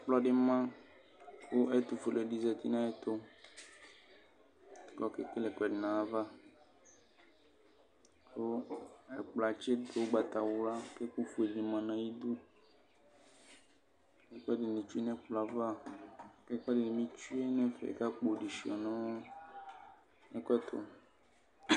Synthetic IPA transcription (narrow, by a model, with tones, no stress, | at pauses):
k͡plɔ˦ɖɪ˦mã˦ | wo˦ɛ˦t̪u˨fo˨le˨di˨zɛ˨t̪i˦nã˦e˦t̪o˦˨ | kɔ˦ke˦ke˦lɛ˨kɛ˨dɪ˨nã˨va˦ | o˦e˨k͡pla˨t͡ʃe˦d̪o˨wo˦ɡ͡ba˨t̪a˨wla˦ke˦ku˦fu˨e˨di˨mã˨nã˨ji˦d̪u˦ | ke˦k͡pɔ˦di˨nĩ˨t͡ʃu˦e˦nɛ̃˦k͡pla˨va˦ke˦kɔ˦di˨nĩ˨mĩ˦t͡ʃu˦e˦nɛ̃˦fḛ˨ka˦k͡po˨ɖi˨ʃi˨ɔ˨nɔ̃˦ | e˦kɛ˦t̪o̰˨